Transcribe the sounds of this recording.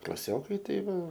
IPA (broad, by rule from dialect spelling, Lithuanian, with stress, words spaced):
klˠɐˈsʲoːkɐɪ tɐɪ ˈʋɐ